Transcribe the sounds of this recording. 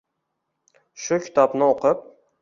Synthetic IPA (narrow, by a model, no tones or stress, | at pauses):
ʃʊkʲʰɪ̥t̪ʰɒpnɪoqʰɨp̚